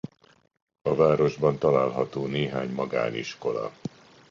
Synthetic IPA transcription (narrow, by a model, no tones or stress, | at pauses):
ɒvaːɾo̞ʒbɒnt̪ɒlaːlɦɒt̪oːneːɦaːɲmɒɡa̰ːnḭʃko̞lɒ̰